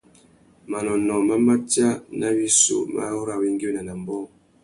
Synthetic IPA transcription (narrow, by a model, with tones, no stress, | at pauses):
ma˨nɔ˨nɔ˨ma˦ma˦tja˦na˦bi˦sṵ˨ma̰˦hu˦ɾa˦˨wi˦ŋ˦ɡi˦na˨na˨m˦bɔ˦˨ŋ